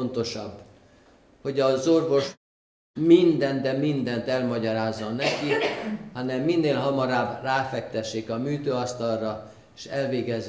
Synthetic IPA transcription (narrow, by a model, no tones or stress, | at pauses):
ont̪o̞ʃɒbː | ho̞ɟɒzo̞rvo̞ʃ | mind̪ɛnt̪d̪ɛmind̪ɛnt̪ɛlmɒɟɒɾaːzːonɛkihɒnɛmːinːeːlɦɒmɒɾaːbraːfɛk̚t̪ɛʃːeːkɒmyːt̪øːɒst̪ɒlrɒ | eʃɛlveːɡɛz